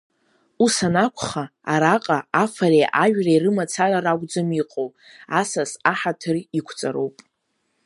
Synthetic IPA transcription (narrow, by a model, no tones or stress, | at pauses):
usanakʷʰχaaɾaqʼaafaɾejʔaʒᶣrairɨmat͡sʰararaɡʷʼd͡zamiqʼow | asasaħatʰɨrikʷʰt͡sʼa̰ɾowpʼ